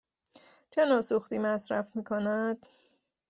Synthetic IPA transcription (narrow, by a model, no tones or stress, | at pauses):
t͡ʃʰe̞nɒːsuxt̪iːmæsɾæfmiːkʰonæd̪̥